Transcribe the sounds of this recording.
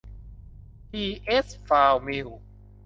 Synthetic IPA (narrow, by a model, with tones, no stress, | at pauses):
t̪ʰiː˧˩ʔe˦˥sfaː˧wmi˧˩w